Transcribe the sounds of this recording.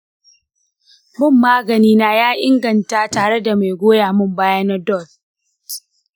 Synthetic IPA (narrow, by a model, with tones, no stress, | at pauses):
bʊ˦˨mːaː˦ɡɐ˨niː˦naː˦jaː˦ʔɪ˦ŋɡɐ˨nta˦taː˨ɽe˦da˨ma˨jɡʷoː˦jaː˨mʊ˦mbaː˦ja˦na˦dɔ˦˨d